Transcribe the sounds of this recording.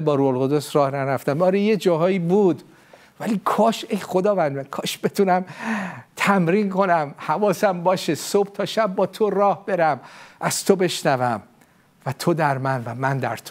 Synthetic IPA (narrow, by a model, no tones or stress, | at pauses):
bɒːɾuholɣod̪osɾɒːhnæɾæft̪æmɒːɾejed͡ʒɒːɦɒːjiːbuːd̪ | væliːkʰɒːʃejχo̞d̪ɒːvænd̪mækʰɒːʃb̥e̞t̪ʰunæmt̪ʰæmɾinko̞næmhævɒːsæmbɒːʃesob̥̚t̪ʰɒːʃæb̚ːɒːt̪ʰorɒːhb̥e̞ɾæmʔæz̥t̪ʰobe̞ʃnævæm | væt̪ʰod̪æɾmænvæmænd̪æ̰ɾt̪ʰ